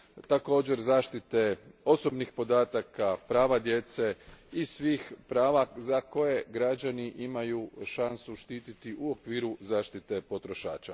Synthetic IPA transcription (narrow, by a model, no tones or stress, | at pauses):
t̪ako̞ːd͡ʑe̞ɾzaːʃt̪it̪e̞o̞so̞bnixpo̞d̪aːt̪akapɾaːʋad̪je̞t̪se̞isʋiːxpɾaːʋazako̞je̞ɡɾad͡ʑaniʔimajuʃansuʃt̪iːt̪it̪iʔuokʋiːɾuzaːʃt̪it̪e̞po̞t̪ɾo̞ʃa̰ːt͡ʃa